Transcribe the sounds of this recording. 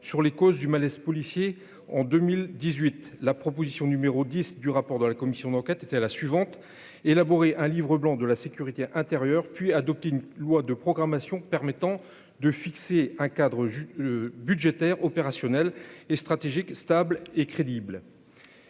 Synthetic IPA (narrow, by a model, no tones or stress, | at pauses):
syʁlekozd̪ymalɛspɔlisje | ɑ̃d̪ømild̪izɥit̪ | lapχɔpozisjɔ̃nymeʁod̪isd̪yʁapɔʁd̪əlakɔmisjɔ̃d̪ɑ̃kʲɛt̪et̪ɛlasɥivɑ̃t̪ | elabɔʁeʔɛ̃livʁəblɑ̃d̪əlasekʲyʁit̪eʔɛ̃t̪eʁjœʁpɥiad̪ɔp̚t̪eynlwad̪əpχɔɡʁamasjɔ̃pɛʁmɛt̪ɑ̃ | d̪əfikseɛ̃kad̪ʁə | byd̪ʒet̪ɛʁɔpeʁasjɔnɛlest̪χat̪eʒikst̪ablekχed̪ibl